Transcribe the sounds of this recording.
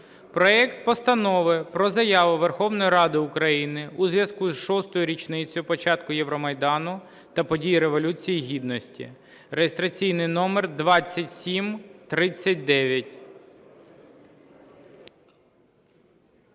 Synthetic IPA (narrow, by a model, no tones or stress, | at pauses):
pɾɔɛkt̪̚pɔst̪ɐnɔʋɪpɾɔzɐjɑʋʊʋerxɔʋnɔjiɾɑd̪ɪʊkɾɐjinɪuzʋjɐskuzʃɔst̪ɔjʊɾʲit͡ʃnɪt͡sʲɔjʊpɔt͡ʃɑt̪kʊjɛʋɾɔmɐjd̪ɑnʊ | t̪ɐpɔdʲijiɾeʋɔlʲut͡sʲijiɦʲid̪nɔsʲtʲḭ | rejest̪ɾɐt͡sʲijnɪjnɔmɛrd̪ʋɑt͡sʲːɐtʲsʲimt̪ɾɪt͡sʲːɐt̚ʲd̪ɛʋʲjɐtʲ